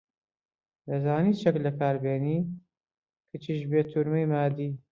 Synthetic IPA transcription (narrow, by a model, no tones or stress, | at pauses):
dɐzaːniːt͡ʃɛklɐkʰaːɾbeːniː | kʰɨt͡ʃʰiːʃbeːt̪ʰuɾmejmaːd̪iː